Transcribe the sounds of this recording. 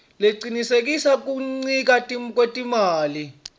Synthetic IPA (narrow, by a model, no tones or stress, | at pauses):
leǀinisek̬isak̬uŋ͡ǀik̬atʼimk̬ʼwetʼimaːli